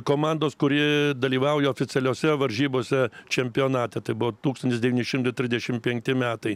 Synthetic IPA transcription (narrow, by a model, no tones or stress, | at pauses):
koːmɑnd̪oːskʊɾʲɪd̪ɐlʲiːʋɐʊjɛoːfʲɪt̪sʲɛlʲoːsʲɛʋɐɾʲʒʲiːboːsʲɛt͡ʃʲɛmʲpʲɪjoːnɑːt̪ʲɛt̪ɐɪbʊʋoːt̪uːkst̪ɐnt̪ʲɪsd̪ʲɛʋʲiːnʲɪʃʲɪmt̪ɐɪt̪ʲɾʲɪzdʲɛʃʲɪmpʲɛŋʲk̚t̪ʲɪmʲæːt̪ɐɪ